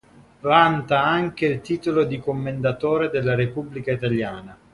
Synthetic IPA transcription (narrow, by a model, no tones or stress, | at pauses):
vant̪aaŋk̟eilt̪iːt̪olod̪ikomːend̪at̪oːɾed̪elːaɾepubːlikait̪aljaːna